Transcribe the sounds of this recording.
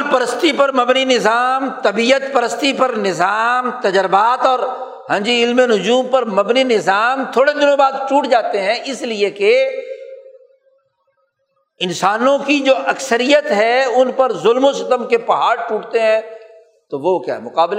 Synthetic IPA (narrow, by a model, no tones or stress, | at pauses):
pɐɾəst̪ipɐɾmɐbninɪzaːmt̪ɐbiːjət̪pɐɾəst̪ipɐɾnɪzaːmt̪ɐd͡ʒɾɪbaːt̪ɔːɾ | ɦɐ̃ːd͡ʒiɪlmenʊd͡ʒuːmpɐɾmɐbninɪzaːmt̪ʰoːɽed̪ɪnõbaːd̪̚t͡ʃuːʈd͡ʒaːt̪eɦɛ̃ʔɪslieke | ɪnsaːnõkid͡ʒoːʔɐksəɾijət̪ɦɛʊnpɐɾzʊlmõsɪt̪əmkepɐɦaːɾʈuːʈt̪eɦɛ̃ | t̪oʋokja̰ːɦmʊqaːble